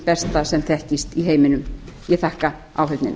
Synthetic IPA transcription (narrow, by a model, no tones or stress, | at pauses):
pɛst̪asɛmθɛhcist̪iɦeːjmɪnʏm | jɛθahka | a̰wɦʏt̪nɪ̰n